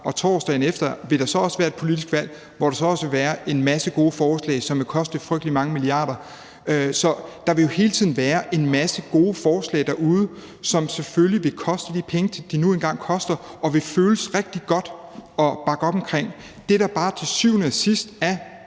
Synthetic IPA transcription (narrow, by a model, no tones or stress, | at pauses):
ʔɒ̽t͡sʰɒsd̥ɛ̰ɪn̩efd̥ɐʋe̝ɾ̥ɑ̈sɒ̽ɒ̽sʋæːɐed̥̚pʰo̝lid̥isɡ̥ʋæl̰ | ʋɒɾ̥ɑ̈sɒ̽ɒ̽sʋe̝ʋæːɐʔe̝nmæsəɡ̥o̝ːəfɒːslɛ̰ɪsɒ̽mʋe̝kʰɒ̽sd̥əfʁœɡ̥d̥limɑ̈ŋəmiliɑ̰̈ːɾ̥ɐ | sɒ̽d̥ɑ̈ʋe̝jo̝he̝ːlət͡sʰið̰ˠn̩ʋæːɐʔe̝nmæsəɡ̥o̝ːfɒːslɛ̰ɪd̥æɐuð̞ˠə | sɒ̽mseføljiʋe̝kʰɒ̽sd̥əd̥ipʰeŋət͡sʰe̝d̥inuenɡ̥ɑ̈ŋ̰kʰɒ̽sd̥ɐʔɒ̽ʋe̝føːləsʁeɡ̥̚d̥iɡ̥ɒ̽d̥ɒ̽b̥ɑ̈ɡ̥əɒ̽b̥ɒ̽mkʰʁeŋ̰ | d̥e̝d̥ɑ̈b̥ɑ̈ːt͡sʰe̝syʊ̰nəæsisd̥æ